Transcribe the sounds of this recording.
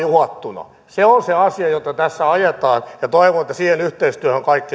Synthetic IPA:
juhɑt̪ːunɑ̰ | seonseɑsiɑjot̪ɑt̪æsːæɑjet̪ɑːnjɑt̪oiʋonet̪ːæsiːhenyht̪eist̪yæhøŋkɑikːi

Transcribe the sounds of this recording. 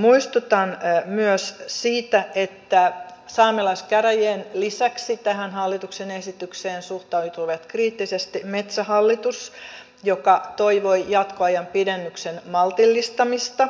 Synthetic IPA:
muist̪ut̪ɑnmyøssiːt̪æet̪ːæsɑːmelɑskæræjeːnlisæksit̪æhænhɑlːit̪uksenesit̪ykseːnsuht̪ɑut̪uʋet̪kriːt̪ːisest̪imet̪sæhɑlːit̪us | jokɑt̪oiʋojjɑt̪koɑjɑmpidenːyksenmɑlt̪ilːist̪ɑmist̪ɑ

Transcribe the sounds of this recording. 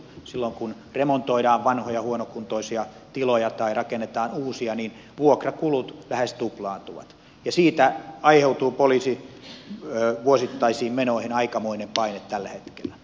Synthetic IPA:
silːoŋkun | remont̪oiɾɑːʋʋɑnhojɑhuonokunt̪oisiɑ | t̪ilojɑt̪ɑirɑkenːet̪ɑːnuːsiɑniːn | ʋuokrɑkulut̪læhest̪uplɑːnt̪uʋɑ̰t̪ | jɑsiːt̪æɑiheut̪uːpoliːsi | øːʋuosit̪ːɑisiːmmenoihinɑikɑmoinempɑinet̪t̪ælːæhet̪kelːˑæ

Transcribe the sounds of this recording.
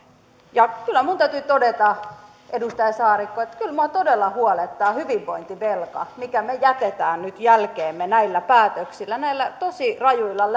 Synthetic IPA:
jɑkylːˑæmunt̪æyt̪yt̪odet̪ɑ | edust̪ɑjɑsɑːrikːoet̪kylmoɑt̪odelːɑhuolet̪ːɑːhyʋiʋʋoint̪iʋelkɑ̰mikæmejæt̪et̪æːnnyt̪jælkeːmːenæilːæpæːt̪øksilːænæilːæt̪osirɑjuilːɑl

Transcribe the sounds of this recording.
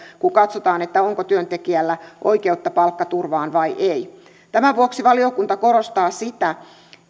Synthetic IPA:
kukɑt̪sot̪ɑːnet̪ːæoŋkot̪yønt̪ekiælːæʔo̰ikeut̪ːɑpɑlkːɑt̪urʋɑːnʋɑiʔei | t̪æmæʋuoksiʋɑliokunt̪ɑko̞ɾost̪ɑːsit̪æ

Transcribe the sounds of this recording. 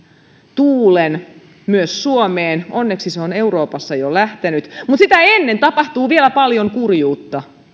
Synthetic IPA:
t̪uːlen | myøssuomeːnonːeksiseone̞uroːpɑsːɑjolæht̪enyt̪mut̪sit̪æenːent̪ɑpɑht̪uːʋielæpɑljoŋkurjuːt̪ːɑ

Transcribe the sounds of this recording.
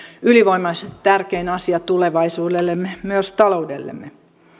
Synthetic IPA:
yliʋoimɑiset̪ærkeinɑsiɑt̪uleʋɑisuːdelːemːemyøst̪ɑloudḛlːḛmːe

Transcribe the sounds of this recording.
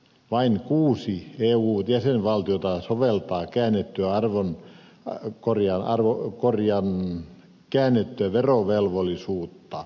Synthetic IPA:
ʋɑinkuːsieːuːjæsenʋɑlt̪iot̪ɑsoʋelt̪ɑːkæːnːet̪ːyæɑrʋon | korjɑnʔɑ̰rʋokorjɑn | kæːnːet̪ːyæʋeroʋelʋolːˑisuːt̪ːɑ

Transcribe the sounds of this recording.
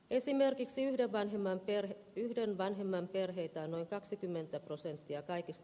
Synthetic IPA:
e̞sime̞rkiksiyhdeʋʋɑnɦemːɑmpr | yhdenʋɑnɦe̞mːɑmpe̞rɦe̞it̪æːno̞iŋkɑksikymːe̞nt̪æpro̞se̞nt̪ːiɑkɑikist̪

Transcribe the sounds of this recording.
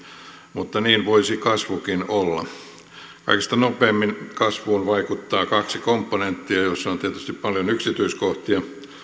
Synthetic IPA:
mut̪ːɑniːnʋoisikɑsʋukinolːɑ̰ | kɑ̰ikest̪ɑnopeːmːinkɑsʋuːnʋɑikut̪ːɑːkɑksikompːonent̪ːiɑjosːont̪iæt̪yst̪ippɑljonyksit̪yiskoht̪iɑ

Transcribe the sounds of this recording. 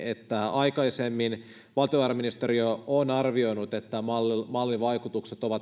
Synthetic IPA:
et̪ːæɑjkɑise̞mːin | ʋɑlt̪ioʋɑːrɑminist̪eɾioonɑrʋio̞inut̪et̪ːæmmɑlːiʋɑjkut̪ukset̪o̞ʋɑt̪

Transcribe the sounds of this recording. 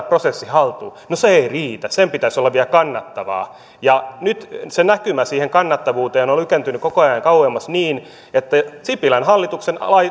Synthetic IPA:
prosesːihɑlt̪uːnoseeiriːt̪æsempit̪æisolːɑʋʋiælkɑnːɑt̪ːɑʋɑ̰ː | jɑnyt̪senækymæsiːheŋkɑnːɑt̪ːɑʋuːt̪eːnolykent̪ynykokoɑjɑŋkɑuwemːɑsniːn | et̪ːæsipilænhɑlːit̪uksen̰lɑi

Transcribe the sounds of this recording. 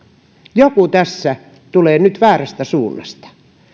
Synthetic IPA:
jokut̪æsːæ | t̪uleːnyt̪ʋæːræst̪æsuːnːɑ̰st̪ɑ̥

